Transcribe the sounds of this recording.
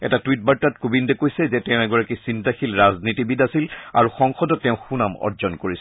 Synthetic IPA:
ɛ̰tatwit̚baɹtatkubindɛkojsɛzɛtɛʊ̃ɛɡɔɹakisintaxilɹaznitibidasila̰ɹuxɔŋxɔdɔtːɛʊ̃xunamɔ̰ɹzɔnkoɹisɛ

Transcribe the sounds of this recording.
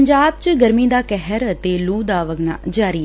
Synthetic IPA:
ɲd͡ʒaːb̚t͡ʃəɡəɾmĩːd̪aːkɛɦəɾət̪eːluːd̪aːʋəɡna̰ːd͡ʒaːɾi

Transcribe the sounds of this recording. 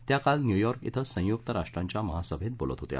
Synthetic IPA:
t̪jakalnjujɔɾkḭt̪ʰəsə̃j̃jukt̪əɾaʂʈɾaɲt͡ɕjaməɦasəbʱet̪̚bolə̰t̪ɦot̪j̰a̰

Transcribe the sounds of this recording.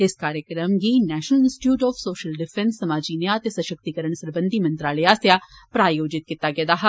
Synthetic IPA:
ɪskaːɾjəkɾəmɡiːnɛːʃnəlɪnsʈɪ̥ʈjuːʈɔːfʰsoːʃəlɖɪpʰɛnsːəmaːd͡ʒiːnẽət̪eːsəʃək̚t̪ikəɾəɳ̃səɾbə̃nd̪ʱiːmə̃nt̪ɾaːleːaːsjaːpɾaːjoːd͡ʒɪt̪̚kit̪aːɡɪad̪aːɦa

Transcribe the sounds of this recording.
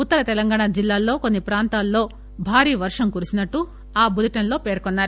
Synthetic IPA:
ut̪ːɐɾɐt̪ɛlɐŋɡaːɳaːd͡ʒilːaːlːo̞ːkonːipɾaːnt̪aːlːo̞ː | bʱaːɾiːʋɐɾʂɐmkuɾuisinɐʈːu | aːbud̪ɐʈɐnlo̞ːpe̞ːɾkonːaːɾu

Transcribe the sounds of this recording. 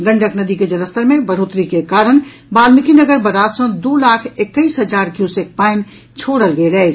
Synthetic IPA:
ɡə̃ɳɖʱəknɐd̪iked͡ʒɐɾəst̪əɾmẽbəɽ̤oːt̪ɾikekaːɾəɽ̃ | baːlmɪkinəɡəɾbɐɾaːsõd̪oːlaːkʰekːəiːsɦɐd͡ʒaːɾkjuːsek̚paːɪn | t͡ʃʰoːɽəlɡeɡɐe

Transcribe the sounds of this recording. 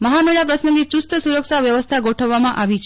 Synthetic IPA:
məɦameɭapɾəsnəŋɡit͡ʃust̪əsuɾəksaʋjəʋəst̪ʰaɡoʈʰəʋːamãʔaʋit͡ʃʰ

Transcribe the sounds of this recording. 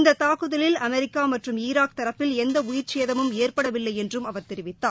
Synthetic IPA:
ɪnd̪ɐt̪aːkɯðɐlɪlɐmɛɾɪkːaːmɐʈrɯmiːɾaːk̚t̪ɐɾɐpːɪlɛnd̪ɐʊjɪɾt͡ʃeːðɐmɯmeːrpɐɽɐʋɪlːɐɪjɛndrɯmɐʋɐɾt̪ɛɾɪʋɪt̪ːaː

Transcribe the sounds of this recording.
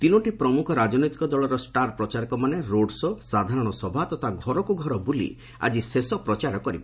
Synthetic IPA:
t̪inɔʈipɾɔmukʰɔɾad͡ʒɔnɔjt̪ikɔd̪ɔɭɔɾɔsʈaɾpɾɔt͡ʃaɾɔkɔmaneɾoɖsɔsad̪ʱaɾɔɽ̃ɔsɔbʱat̪ɔt̪ʰaɡʱɔɾɔkuɡʱɔɾɔbulḭ | a̰d͡ʒisesɔpɾɔt͡ʃaɾɔkɔɾiba

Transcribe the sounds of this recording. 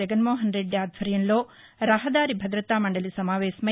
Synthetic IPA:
ɐɡɐnmoːɦɐnɾeɖjaːd̪ʱʋɐɾjɐnloː | ɾɐɦɐd̪aːɾibʱɐd̪ɾɐt̪aːmɐɳɖɐlisɐmaːʋeːsɐmɐ

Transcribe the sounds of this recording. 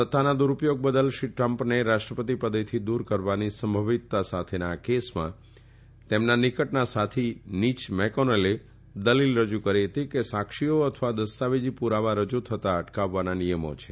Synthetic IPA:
sət̪ːanad̪uɾupjoɡ̚bəd̪əlʃiʈɾəmpneɾaʃʈɾəpət̪̬ipəd̪et̪ʰid̪uɾkəɾʋanisəmbʱəʋit̪ːasat̪ʰenakesmã̰ | t̪emnanikəʈnasat̪ʰinit͡ʃmɛkonəle | d̪əlilɾəd͡ʒukəɾiɦət̪ikesakʃijoət̪ʰʋad̪əst̪aʋed͡ʒipuɾaʋaɾəd͡ʒut̪ʰət̪aəʈkaʋːananijəmo̰t͡ʃʰe̥

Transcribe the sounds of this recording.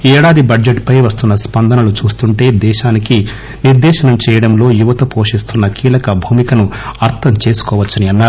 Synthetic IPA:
ɛːɽaːd̪ibɐd͡ʒeʈpɐjʋɐst̪unːɐspɐnd̪ɐnɐlut͡ʃuːst̪uɳʈe̞ːd̪ɛːʃaːniki | niɾd̪ɛːʃɐnɐmt͡ʃɛːjɐɽɐmlo̞ːjuʋɐt̪ɐpo̞ːʂist̪unːɐkiːlɐkɐbʱuːmikɐnuɐɾt̪ʰɐmt͡ʃe̞ːsu̥kɔːʋɐt͡ʃːɐniɐnːaːɾu

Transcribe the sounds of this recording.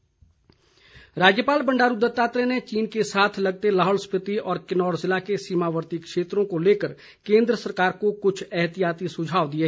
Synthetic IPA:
ɾaːd͡ʒjəpaːlbɐ̃ɳɖaːɾʊd̪ət̪ːaːt̪ɾenet͡ʃiːnkesaːt̪ʰlɐɡ̚t̪elaːɦɔːlspɾɪt̪iɔːɾkɪnɔːɾzɪlakesiːmaːʋəɾt̪ikʃeːt̪ɾõkoleːkəɾ | kẽːnd̪ɾəsɐɾkaːɾkokʊt͡ʃʰɛːɦt̪ijaːt̪isʊd͡ʒʱaːʋd̪ie

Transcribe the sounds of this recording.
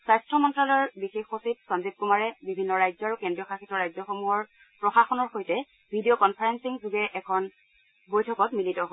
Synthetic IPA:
sajstɹɔmɔntɹalɔɹbixexosip̚sɔnzip̚kumaɹɛbibʱinːɔɹajzɔɹukɛndɹijɔkʰaxitɔɹajzɔxomuɦɔɹ | pɹɔxaxɔnɔɹxojtɛ | bʱidiokɔnpʰaɹensiŋzuɡɛʔɛkʰɔn | bojtʰɔkɔtmilitɔɦo

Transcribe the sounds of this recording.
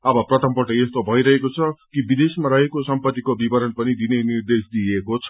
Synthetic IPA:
ʌbʌprʌt̪ʌmpʌʈʌest̪obʱʌiɾʌɦekot͡sʰʌkibid̪esmaɾʌɦekosʌmpʌt̪ːikobibʌɾʌnpʌnid̪inenird̪esd̪iekot͡sʰʌ̥

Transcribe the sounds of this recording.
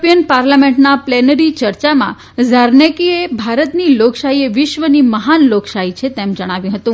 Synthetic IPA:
pijənpaɾlamẽɳʈnaplɛnəɾit͡ʃəɾt͡ʃamã̰ | zəɾnekiebʱaɾət̪niloksaɦieʋɪʃʋəniməɦanloksaɦit͡ʃʰet̪emd͡ʒəɽ̃aʋjũɦət̪ũ

